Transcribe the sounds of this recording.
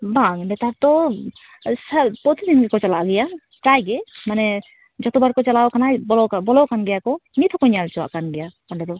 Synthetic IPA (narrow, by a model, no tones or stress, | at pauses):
baŋɳɖɛt̪aɾt̪ɔ | sapɔt̪id̪inɡɛkɔt͡ʃalaʔɡɛja | pɾajɡɛmanɛ | d͡ʒɔt̪ɔbaɾkɔt͡ʃalawkanajbɔlɔkabɔlɔkanɡɛjakɔmit̪ʰɔkɔɲalt͡ʃɔwa̰ʔkanɡɛjakɔɳɖɛd̪ɔ